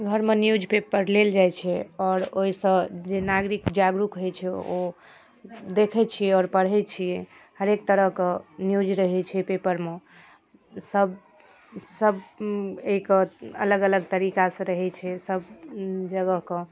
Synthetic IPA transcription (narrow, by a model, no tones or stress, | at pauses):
ɡʱəɾmenjud͡ʒʱpepəɾleld͡ʒajt͡ʃʰɛɔːɾoɦisə̃d͡ʒenaɡɾikd͡ʒaɡɾukɦojt͡ʃʰɛo | d̪ekʰɛt͡ʃʰijɛɔɾpəɽ̤ɦɛt͡ʃʰije | həɾek̚t̪əɾəɦkẽnjud͡ʒɾəɦɛt͡ʃʰɛpepəɾme | səb | səbeikəələɡələɡt̪əɾikasə̃ɾəɦɛt͡ʃʰɛsəbd͡ʒəɡəɦkẽ